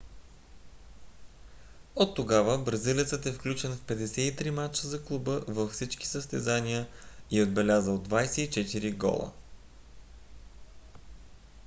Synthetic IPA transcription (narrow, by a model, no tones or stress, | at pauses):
ot̪ːoɡavəbɾɐzilit̪sət̪ɛfklʲut͡ʃɛnfpɛd̪ɛsɛit̪ɾimat͡ʃəzɐklˠubəvəffsit͡ʃki̥səst̪ɛzanʲiəiod̪̚bɛlʲazəod̪vajsɛit͡ʃɛt̪iɾiɡɔ̰lˠə̰